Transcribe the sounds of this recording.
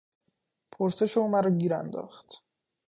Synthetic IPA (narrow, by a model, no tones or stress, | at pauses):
pʰoɾse̞ʃeumæɾɔːɟiːɾæ̰nd̪ɒ̰ːxt̪